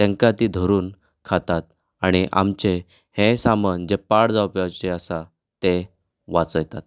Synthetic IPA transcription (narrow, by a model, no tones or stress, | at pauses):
t̪ɛ̃ŋkat̪iːd̪ʱəɾuːn | kʰat̪at̪̚ | aɽ̃iʔa̰mt͡ɕe | hẽsamənd͡ʑepaɽd͡zapjat͡ɕeasa | t̪e | ʋat͡səjt̪at̪̚